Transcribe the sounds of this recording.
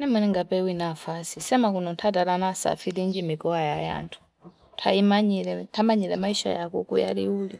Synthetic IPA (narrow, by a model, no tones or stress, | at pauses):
nɛmɛnɛŋɡapɛwinafasisɛmakunɔntʰataɾanasa̰filind͡ʒimikɔwajaja̰ntʰu̥ | tʰa̰imaɲiɾɛtʰamaɲilɛmaiʃa̰jakukuja̰liuːli